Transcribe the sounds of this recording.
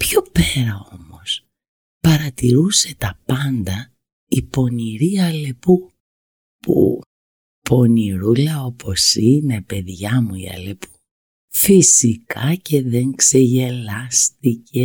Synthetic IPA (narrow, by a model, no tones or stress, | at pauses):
pço̞peɾɐo̞mo̞s | pɐɾɐt̪iɾuse̞t̪ɐpɐnd̪ɐ | ipo̞niɾiɐle̞pu | pṵ | pʰo̞niɾulɐo̞pʰo̞sine̞pe̞ðʝɐmuḭɐ̰le̞pu̥ | fisikʰɐce̞ðe̞ŋkse̞ʝe̞lɐst̪ice̞